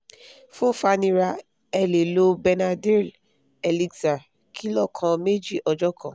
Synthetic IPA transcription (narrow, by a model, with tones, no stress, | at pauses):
fõ˦fa˧nĩ˧ɾa˧ | ɛ˧le˨lo˦bɛ˧na˧di˦l | ɛ˨li˧ɡza˨ | kʰi˦lɔ˦˨kʰɔ̃˧me˦d͡ʒi˦˨ʔɔ˧d͡ʒɔ˦kʰɔ̃˦˨